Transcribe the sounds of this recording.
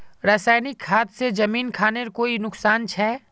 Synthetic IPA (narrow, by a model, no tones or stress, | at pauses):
ɾaːsaːjnɪkʰːaːt̪sed͡ʒɐmiːnkʰaːneɾkoːinʊksaːnt͡ʃʰɛː